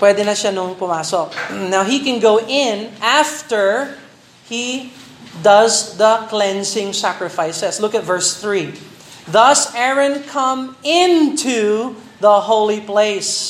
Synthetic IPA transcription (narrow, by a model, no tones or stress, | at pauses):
pwɛd̪ɛnɐʃanʊŋpʊmaːsɔk̚nawɦikɛ̃nɡoʊʔɪ̃nʔaft̪ə˞ | hi | d̪ʌzðɐklɛ̃nsɪ̃ŋsækɹɪfaɪsɛslʊkɐt̪vɜɹsθɹi | ðʌsɛɹɐ̃nkʰʌ̃mɪ̃nt̪ʰu | ðɐhoʊlipleɪs